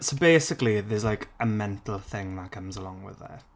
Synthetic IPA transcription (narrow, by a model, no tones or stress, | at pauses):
sobeɪsɪkliðɪzlajkʰəmɛ̃ntʰˡl̩ˠθɪ̃ŋmakʰəmzəlˠɔ̃ŋwɪ̰ðə̰